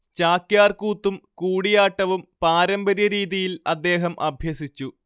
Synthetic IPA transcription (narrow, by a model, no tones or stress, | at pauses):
t͡ɕaːkjaːrkuːt̪ːumkuːɽijaːʈːɐʋumpaːɾɐmbɐɾjɐɾiːðijilɐd̪ːe̞ːɦɐmʔɐbʱjɐsit͡ɕːu